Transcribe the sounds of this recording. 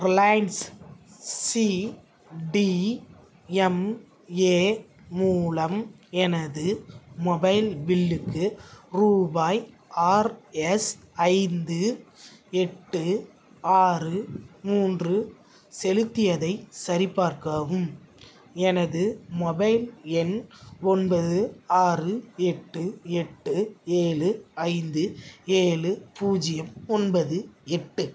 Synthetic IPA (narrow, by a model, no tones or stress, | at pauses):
ɾlɐjns | si | ɖi | ɛm | eː | muːlɐmɛnɐðɯmɔbɐɪlbɪlːɯkːɯɾuːbaːj | aːɾɛs | ɐɪnd̪ɯ | ɛʈːɯ | aːrɯmuːndrɯ | sɛlɯt̪ːɪjɐðɐɪsɐɾɪpːaːɾkaːʋɯm | ɛnɐðɯmɔbɐɪlɛnɔnbɐðɯaːrɯɛʈːɯɛʈːɯeːlɯɐɪnd̪ɯeːlɯpuːd͡ʒɪjɐmɔnbɐðɯɛʈːɯ